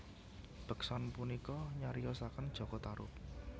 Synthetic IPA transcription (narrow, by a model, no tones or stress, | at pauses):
b̥ə̤ksɔnpunikɔɲaɾijɔsakənd̥ʒ̥ɔ̤ɡ̥ɔt̪aɾʊ̰p̚